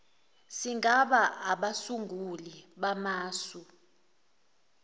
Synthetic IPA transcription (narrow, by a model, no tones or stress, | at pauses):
siŋɡʱaɓaaɓasuŋɡʱuliɓamaːsu